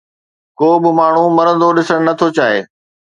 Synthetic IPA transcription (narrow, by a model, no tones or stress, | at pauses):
koːbɪmaːɳ̤ũmɐɾə̃nd̪oɗɪsəɽ̃nɐt̪ʰot͡ɕaːɦḛː